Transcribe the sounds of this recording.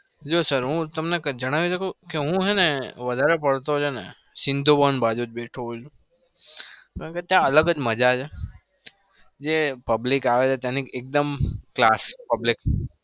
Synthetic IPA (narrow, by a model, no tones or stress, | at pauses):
d͡ʒosəɾɦũt̪əmnekd͡ʒəɽ̃aʋiʃəkʰokeɦũɦeneʋəd̪ʱaɾepəɽt̪od͡ʒʰenḛ | sɪnd̪ʱobənbad͡ʒud͡ʒbeʈʰũt͡ʃʰũ | kãket̪jãələɡəd͡ʒməd͡ʒad͡ʒʰe | d͡ʒepəblikaʋet͡ʃʰet̪janiek̚d̪əmklaspəblik̚